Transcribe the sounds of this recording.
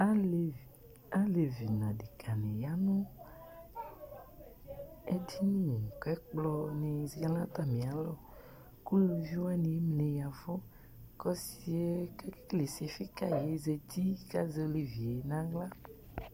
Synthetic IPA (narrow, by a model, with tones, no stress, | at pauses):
a˦˨ | a˦le˨vi˨nã˨ɖe˨kʰa˨nẽ˨ja˦nũ˦ | e˦di˦nĩ˦˨kɛ˦k͡plɔ˦nẽ˨zi˨ɡa˦lã˦t̪a˨mĩ˨a˨lɔ˦ | ku˦˨ʒu˦a˦nẽ˨˦mlẽ˨ja˨vɔ˦ | kɔ˦si˨˦e˦kɛ˦kkle˨se˨fi˦ka˦je˨˦zɛ˨t̪i˦ka˦zɛ˦le˨vi˨e˨nã˨˦ɡla˦